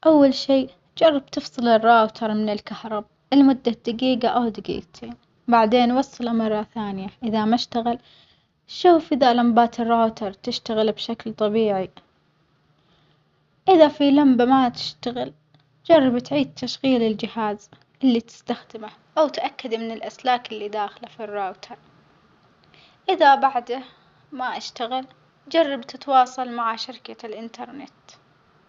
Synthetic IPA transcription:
ʔawːalʃiː | d͡ʒɑrˤːɑb̚t̪ɨfsˤɨlɪrːaːwt̪ʰɑɾˤmɪnɪlkahɾˤɑb̚ | ʔɪlmʊd̪ːad̪̥aɡiːɡaʔawd̪aɡḭːɡt̪ʰiːn | baʕd̪eːnwɑsˤːɑlamɑrˤːɑθaːnjaʔɪðamaʃt̪aɣɪl | ʃuːfʔɪðalambaːt̪ɪrːaːwt̪ʰɑɾˤt̪ɪʃt̪aɣɪlbʃaklt̪ˤɑbiːʕi | ʔɪðafilambamat̪ɪ̥ʃt̪aɣɪl | d͡ʒɑrˤːɑbt̪ʕiːd̪̚t̪ʰaʃɣiːlɪld͡ʒɪhaːz | ʔɪlːit̪ɪ̥st̪axd̪ɪma | ʔawt̪ʔakːad̪mɪnɪlʔaslaːkɪlːid̪aːxlafirːoːt̪ʰɑɾˤ | ʔɪðabaʕd̪a | maʔaʃt̪aɣɪl | d͡ʒɑrˤːɑbt̪ɪt̪wɑːsˤɑlmaʕaʃɪɾkalʔɪnt̪ɑɾˤnɪt̪

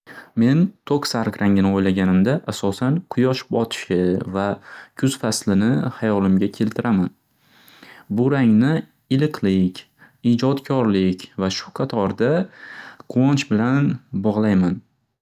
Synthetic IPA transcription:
me̞nt̪ʰoksaɾkɾaŋɪnɪojlaɡʲanɪmd̪aʔasɒsanqʰʊjɒʃbɒt̪ʰɪ̥ʃɪvakʲʰʊz̥faslɪnɪhajɒlɪmɡʲakʲʰe̞lt̪ʰɪɾʔaman | bʊɾaŋnɪ | ɪlɪqʰlɪkʲ | id͡ʒɒt̪kʲʰɒɾlɪkʲvaʃʊ̥qʰɑt̪ʰɒɾd̪a | qʰɒnt͡ʃbɪlanbɒʁlˠajman

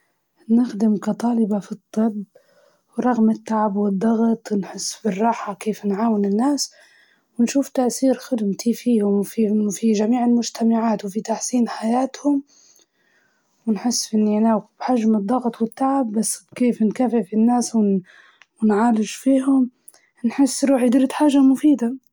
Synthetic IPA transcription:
nɪxd̪ɪmkat̪ˤɑːlɪbafit̪ˤːɨb | wɾˤɑɣmɪt̪ːaʕabwɪd̪ˤːɑɣt̪ˤwnħɪsːbɪrˤːɑːħakeːfnʕaːwɪnɪnːaːs | wɪnʃuːft̪aʔθiːɾxɪd̪mt̪ifiːhʊmfifiʒamiːʕɪlmʊd͡ʒt̪amaʕaːt̪wfit̪aħsiːnħajaːt̪hʊm | wɪnħɪsːʔɪnːanawb̥ħaʒmɨd̪ˤːɑɣt̪ˤwɪt̪ːaʕɪbːasːbkeːfnkaːfɪfɪnːaːswɪ | wɪnʕaːlɪʒfiːɦʊm | nħɪsːɾuːħjd̪ɾɪd̪ħaːʒamʊfiːd̪a

